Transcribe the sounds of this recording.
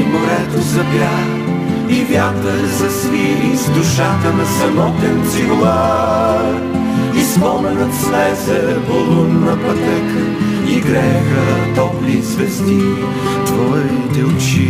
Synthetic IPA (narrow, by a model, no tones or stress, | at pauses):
mʊɾɛt̪ozɐbjax | ivʲjat̪ɾə | zɐsviɾizd̪ʊʃat̪ənɐsɐmɔt̪ɛnziɾlˠa | ispɔmɛnət̪slɛzɛvolˠunnːɐpɐt̪ɛkə | iɡɾɛxət̪ɔplizvɛst̪i | t̪vɔɛnit̪ɛʊt͡ʃi